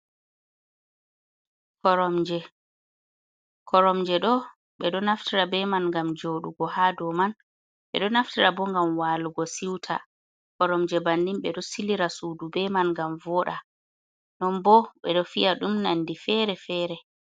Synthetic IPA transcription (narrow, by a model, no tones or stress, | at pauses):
kɔɾɔmd͡ʒɛ | kʰɔɾɔmd͡ʒɛɗɔ | ɓɛɗɔnaftʰiɾabɛmanŋɡamd͡ʒoɗuɡɔhadɔman | ɓɛ̰ɗɔnaftiɾabɔŋɡamwaːluɡɔsiwtʰa̰ | kɔɾɔmd͡ʒɛbanːimɓɛɗɔsiliɾasuːdubɛmanɡamvɔːɗa | nɔnbɔɓɛɗɔfijaɗumnanːdifɛɾɛfɛɾɛ